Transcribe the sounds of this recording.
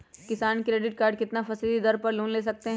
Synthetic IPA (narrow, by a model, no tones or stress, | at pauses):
kɪsaːnkɾeːɖɪʈ̚kaːɾɖkɪt̪nafɐsid̪id̪ɐɾpɐɾlũːnleːs̬ɐk̚t̪eɦ